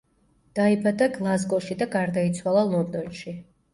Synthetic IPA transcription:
d̪̥aibad̪aɡlˠazɡɔʃid̪aɡaɾd̪ait̪sʰwalˠalˠɔnd̪ɔnʃi

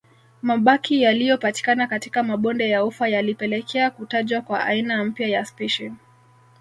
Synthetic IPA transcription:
maɓakʰijalijɔpati̥kanakatikamaɓɔndɛjaufwajalipɛlɛkʰɛakutaʄwakwaʔa̰inam̩pjajaspiʃin

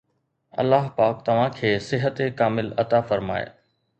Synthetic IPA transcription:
ɐ̰lːaɦpaːk̚t̪ɐʋ̤ãkʰeːsɪɦət̪ekaːmɪlɐt̪afɐɾma̰ːḛ

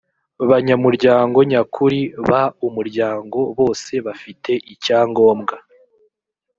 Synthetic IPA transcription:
βaɲamuɾɟaːŋɡo̞ɲakʰuɾiβaumuɾɟaːŋɡo̞βo̞ːse̞βafitʰe̞ʔicaːŋɡo̞ːmɡa

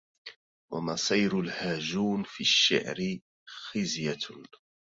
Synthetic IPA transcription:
wa̰masˤiːɾʊlhaːd͡ʒuːnfiaʃːa̰ʕɾɪ | xɪzja

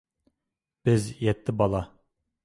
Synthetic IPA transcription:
b̥ɪzjɛt̪ːɪbɑlˠɑ

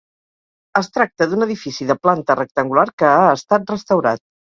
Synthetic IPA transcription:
əst̪ɾak̚t̪əðunəðifisiðəplant̪ərək̚t̪əŋɡulaɾkəaəst̪at̪̚rəst̪əwɾa̰t̪̚

